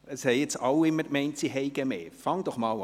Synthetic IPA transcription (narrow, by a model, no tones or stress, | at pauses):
əshɛjɪt͡sɑwɪmːəkmɛɪntsiɦɛɪɡəmḛːfɑŋd̪ɔχmɑːl